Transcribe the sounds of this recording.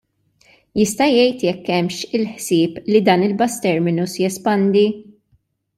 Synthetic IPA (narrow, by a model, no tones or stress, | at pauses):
jɪst̪ɐjɛjt̪jɛkːɛmʃɪlħsɪːplid̪ɐːnɪlbɐst̪ɛɾmɪnusjɛspɐnd̪i